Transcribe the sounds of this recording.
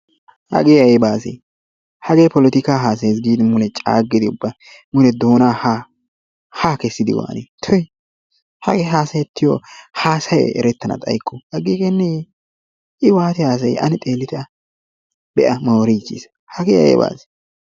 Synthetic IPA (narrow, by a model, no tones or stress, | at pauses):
hɐ̰ɡeːɐjɛbaːsḛ | hɐɡeːpɔlɪt̪ɪkaːɦaːs̬ɐjs̬ɡiːd̪ɪmʊnɛt͡ʃʼa̰ːɡːɪd̪ɪʊbːɐ | mʊnɛd̪o̞ːnaːha | haːkɛsːɪd̪ɪ̰wa̰ːnet̪ʰɔj | hɐ̰ɡeːɦaːsɐjɛt̪ːɪjɔhaːsɐjɛ̰ɛ̰ɾɛt̪ːɐnɐ̰t̪ʼɐ̰jkːʊhɐɡiːkenːɛ | ɪwaːt̪ɪhaːs̬ɐjʔɐ̰nɪt̪ʼe̞ːlːɪt̪ɪɐ | bɛʔɐmowɾit͡ʃːḭs | hɐɡɛːɐ̰jɛ̰ba̰ːse̥